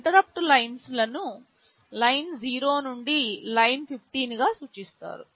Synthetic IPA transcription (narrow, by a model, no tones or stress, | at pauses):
ʈ̪ɐɾɐp̚ʈulɐjnslɐnu | lɐjnd͡ʒiːɾoːnuɳɖilɐjnpʰipʰʈiːnɡaːsuːt͡ʃist̪a̰ːɾu